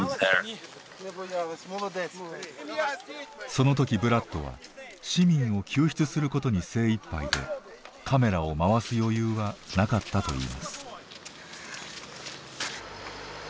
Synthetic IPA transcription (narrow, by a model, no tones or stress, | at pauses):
so̞no̞t̪̬o̞kʲibɯ̟ɾat̪ːo̞̰βa̰ | ɕimʲĩɰ̃o̞kʲɨːçi̥t͡sɨsɨɾɯ̟ko̞t̪o̞ɲ̟ise̞ːipːa̰id̪e̞̰ | kʰame̞ɾao̞maβasɨjo̞jɯːβanakat̪ːat̪o̞̰ḭːma̰sɨ̥